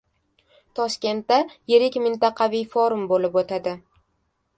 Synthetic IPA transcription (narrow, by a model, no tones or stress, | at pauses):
t̪ʰɒʃkʲe̞nt̪ːaje̞ɾɪkʲmɪnt̪ɑqʰɑvijfoɾʊmbolɪpot̪ʰad̪ɪ